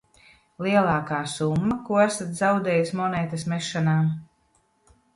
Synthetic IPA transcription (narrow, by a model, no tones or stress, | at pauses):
lˠiɛlˠaːkaːsumːakuɔæsat̪zawd̪ɛːjusmɔnɛːt̪ɐsmɛʃːanaːm